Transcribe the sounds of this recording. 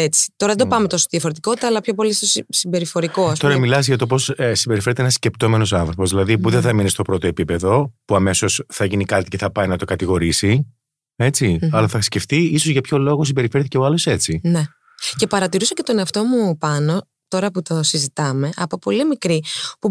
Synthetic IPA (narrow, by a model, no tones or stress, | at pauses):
et͡si̥t̪o̞ɾɐðed̪opɐmet̪o̞sot̪iðiɐfo̞ɾe̞t̪i̥ko̞t̪it̪ɐːlɐpço̞po̞list̪ossimbe̞ɾifo̞ɾiko̞st̪oɾɐmilɐsʝɐt̪o̞p̬o̞ssimbe̞ɾifeɾet̪eenɐsce̞p̚t̪o̞me̞nosɐnθɾopo̞zðilɐðipuðeθɐminest̪o̞pɾo̞t̪o̞epipe̞ðo̞puɐme̞so̞sθɐʝinikɐt̪i̥ceθɐpɐjnɐt̪o̞kɐt̪iɣo̞ɾisi | e̞t͡siɐlɐθɐxisce̞ft̪iiso̞zʝɐpço̞lo̞ɣo̞s̬imbeɾife̞ɾθiceoɐlo̞se̞t͡sine | ce̞pɐɾɐt̪iɾusɐcet̪o̞ne̞ɐft̪o̞mupɐno̞ | t̪o̞ɾɐput̪o̞sizit̪ɐme̞ʔɐpo̞po̞limikɾipu